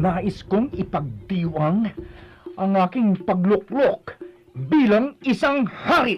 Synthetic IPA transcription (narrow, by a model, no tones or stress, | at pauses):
naːʔɪskʊŋɪpɐɡ̚t̪iːwʔaŋ | ʔɐŋʔaːkɪŋpɐɡ̚lʊk̚lok̚ | biːlaŋɪsaŋhaɾɪ